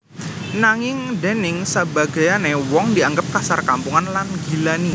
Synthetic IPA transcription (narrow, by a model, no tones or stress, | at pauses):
naŋɪŋdɛnɪŋsəbaɡajanewɔŋdiaŋɡəp̚kasarkampuŋanlanɡi̤lani